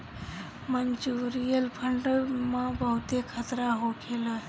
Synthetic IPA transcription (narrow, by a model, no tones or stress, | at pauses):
mənt͡ʃuɾijəlpʰəɳɖmãbəɦut̪ekʰət̪ɾaɦokʰela